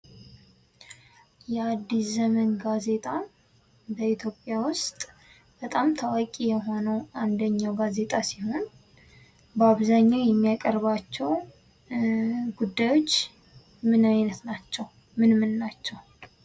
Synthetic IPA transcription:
jɛad̪ːiszəmənɡaze̞t̪ʼa | bəit̪ʰjo̞pʼːjawʊst̪ʼ | b̥ət̪ʼamt̪ʰawakʼijɛɦo̞nəwand̪əɲːawɡaze̞t̪ʼasiho̞n | bəaβzaɲːawjɛmːijakʼəɾβat͡ʃːɛw | ɡud̪ːajo̞t͡ʃː | mɨnainət̪nat͡ʃːɛw | mɨnmɨnːat͡ʃːɛw

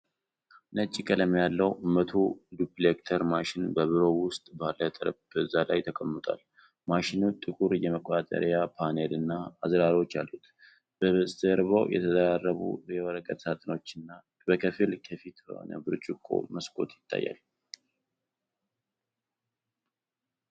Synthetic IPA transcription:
nət͡ʃʼːikʼələmjalːəwʔɨmət̪ʰud̪uplekt̪ʰəɾmaʃɪnbəβɨɾo̞wʊst̪ʼbalːət̪ʼəɾəbbəzːalajt̪ʰəkʼəmːɨt̪ʼa̰l | maʃɪnut̪ʼɨkʼuɾjɛməkʼat̪ʼə̰ɾjapʰanelɨnːaːzɾaɾo̞t͡ʃːalːut̪ | b̥əβsʼzəɾβəwjɛ̰t̪ʰəzəɾarːəβṵjɛwəɾəkʼət̪sat̪ʼno̞t͡ʃːɨnːa | bəkʰəfɨlkʰəfit̪bə̰ho̰nə̰bɨɾt͡ʃʼukʼːo̰məskʼo̞̰t̪jɪt̪ʰːa̰jːa̰l

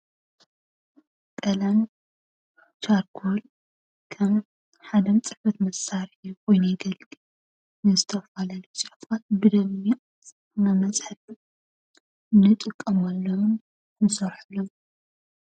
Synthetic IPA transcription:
kʼɐlɐn | t͡ʃaɾkʰol | kʰɐm | ħad̪ɐmt͡sʼɨħfɐt̪mɐsaɾiukojnjɡɐlʼ | nɨzɨt̪ʰɐfalalosʼɨħfat̪̚bɨd̪ɐmi | nɐmɐsʼħɨt | nɨt̪ʼɨkʼːɐmalːɐwn | kʰɨnsɐɾħɨlom

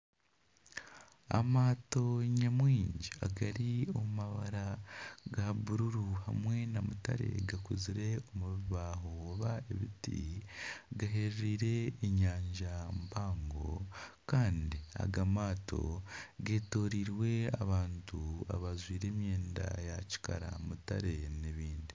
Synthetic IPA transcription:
a̰maːto̞ɲamwiːɲɟiaɡaɾio̞mumaβaɾaɡaβuɾuɾuha̰mwe̞namuta̰ɾe̞̰ɡakuziɾe̞o̞muβiβaɦooβae̞βitḭ | ɡaɦe̞ɾiːɾe̞ːɲaːɲɟambaːŋɡo̞kaːndia̰ɡamaːto̞̰ɡe̞ːto̞ːɾiːɾwe̞a̰βaːntua̰βazwiːɾe̞ːmje̞ːnda̰jaci̥ka̰ɾa̰muta̰ɾe̞neβiːndi

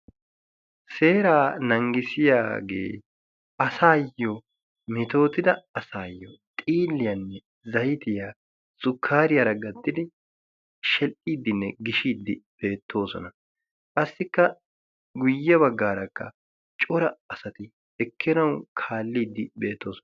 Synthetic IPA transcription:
se̞ːɾaːnɐŋɡɪsɪja̰ːɡḛː | ɐsaːjːɔ | mɪt̪o̞ːt̪ɪd̪ɐɐsaːjːɔt̪ʼiːlːɪjɐnːɛ | zɐjɪt̪ɪja | sʼʊkʰːaːɾɪjaːɾɐɡɐd̪ːɪd̪ɪ | ʃɛlʔiːd̪ːɪnːɛɡɪʃiːd̪ːɪb̥e̞ːt̪ʰːo̞ːsɔ̰nɐ | kʼɐsːɪkːɐ | ɡʊjːɐβɐɡːaːɾɐkːɐ̰ | t͡ʃʼɔɾɐɐsɐt̪ɪ | ɛkʰːɪnɐwkʰaːlːiːd̪ːɪbe̞ːt̪ːo̞ːsɔ

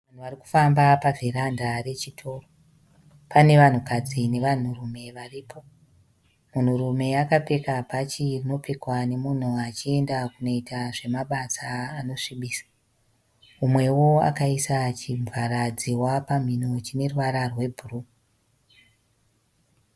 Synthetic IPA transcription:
ʋan̤uʋariku̥fambapaveɾandare̞t͡ʃitʰo̞ːro | pane̞ʋan̤ukad͡zine̞ʋan̤urume̞ʋariːpʰo̞ | mun̤urume̞akape̞kapat͡ʃirino̞pe̞kwane̞mun̤uat͡ʃie̞ndakuno̞itaʐe̞maɓasaːno̞ʂiɓiːsḁ | umwe̞wo̞a̰kaisat͡ʃiɱvaɾad͡ziwapam̤inot͡ʃine̞ruʋaɾarwe̞bʱuru

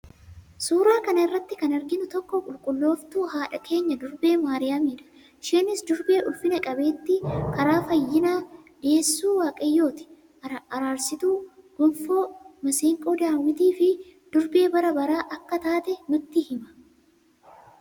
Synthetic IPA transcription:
suːɾaːkɐnɐɪrːɐt̪ːɪkɐnɐɾɡɪnʊt̪ɔkːɔkʼʊlkʼʊlːo̞ːft̪uːɦaːᶑɐkʰe̞ːɲːɐd̪ʊɾbe̞ːmaːɾɪjaːmiːᶑɐ̥ | ʃeːnɪsd̪ʊɾbe̞ːʔʊfːɪnɐkʼɐbe̞ːt̪ːɪkɐɾaːfɐjːɪnaːᶑɪeːsːuːwaːkʼɐjːo̞ːt̪ɪ̥ | ɐɾaːɾsɪt̪uːɡ̥ʊmfoːmɐseːŋkʼoːd̪aːwːɪt̪iːfɪd̪̥ʊɾbe̞ːbɐɾɐbɐɾaːʔɐkːɐt̪aːt̪ɛnʊt̪ːɪhɪmɐ̥

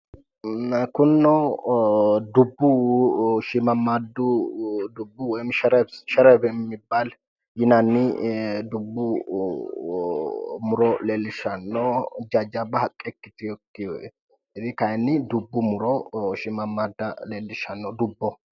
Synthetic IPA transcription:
kʊnːɔ | d̪ʊbːʊ | ʃɪmɐmaːd̪ʊd̪ʊbːʊwɔjmʃɛɾɐbʃɛɾɐbɛmːɪbːal | jɪnɐnːɪd̪ʊbːʊ | mʊɾɔleːlːɪʃɐnːɔd͡ʒad͡ʒabɐɦɐkʼːɛkːɪt̪ɪjɔkːɪjɔ | ɛðɪkɐjnːɪd̪ʊbːʊmʊɾɔʃɪmɐmaːd̪ːɐleːlːɪʃɐnːɔd̪ʊbːɔ

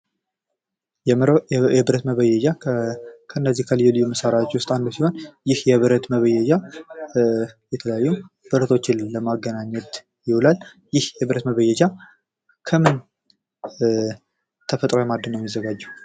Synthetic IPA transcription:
ɛbɨɾət̪məβəjɛd͡ʒa | kʰəɨnːəzːihkʰəlɨjɛlɨjːuməsəɾat͡ʃːwʊst̪ʼand̪usiho̞njɪhjɛβɨɾət̪məβəjɛd͡ʒa | jɛt̪ʰələjajːu | b̥ɨɾət̪ʰo̞t͡ʃːɪnləmaɡənaɲːɛt̪ | jɪwulal | jɪhjɛβɨɾət̪məβəjɛd͡ʒa | kʰəmɨn | t̪ʰəfət̪ʼɾojɛmad̪ːɨnːəwmːjizːəɡad͡ʒːɛ

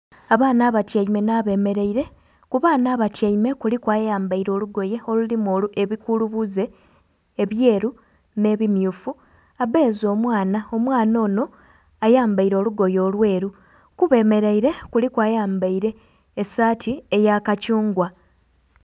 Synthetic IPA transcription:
aβaːnaːβatjaime̞naːβe̞ːme̞ɾeiɾe̞ | kuβaːnaːβatjaime̞kulikwaːjaːmbaiɾo̞luɡo̞je̞olulimo̞ːluʔe̞βikuluβuze̞ː | βje̞ːɾu | ne̞βimjuːfu | aβe̞ːzo̞ːmwaːnao̞mwaːno̞ːno̞ | ajaːmbaiɾo̞ːluɡo̞jo̞ːlwe̞ːɾu | kuβe̞ːme̞ɾeiɾe̞kulikwaːjaːmbaiɾe̞ː | saːtʰiejakacuːŋɡwa

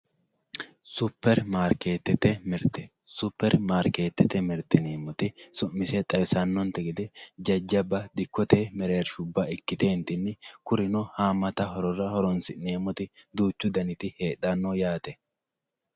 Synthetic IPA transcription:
sʊpːɛɾmaːɾkeːt̪ːɛt̪ːɛmɪɾt̪ɛ | sʊpːɛɾmaːɾke̞ːt̪ːɛt̪ɛmɪɾt̪ɪneːmːɔt̪ɪsʊmːɪsɛt̪ʼɐβɪsɐnːɔnt̪ɛɡɪd̪ɛd͡ʒɐd͡ʒːɐbɐd̪ɪkːɔt̪eːmɛɾe̞ːɾʃʊbːaɪkːɪt̪eːnt̪ɪnːɪkʊɾɪnɔhaːmːɐt̪ɐhɔɾɔrɐhɔɾɔnsɪʔneːmːɔt̪ɪd̪uːt͡ʃːʊd̪ɐnɪt̪ɪhe̞ːᶑanːojaːt̪ɛ

